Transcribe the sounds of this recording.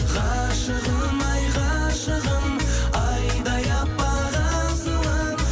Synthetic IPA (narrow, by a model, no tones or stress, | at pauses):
ʁɑʃəʁəmɑjʁɑʃəʁəmɑjd̪ɑjɑpːɑʁɑsəlˠɑm